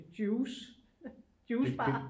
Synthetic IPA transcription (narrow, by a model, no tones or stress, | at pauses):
d̥juːs | d̥juːb̥ɑ̰